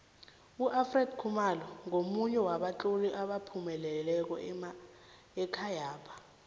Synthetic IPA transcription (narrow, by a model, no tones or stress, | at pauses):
uʔafrɛdkʰumalɔŋomuɲɛwaɓat͡ɬʼoliʔaɓapʰumɛlɛlɛk̬ɔ | ɛkʰajaːpʰḁ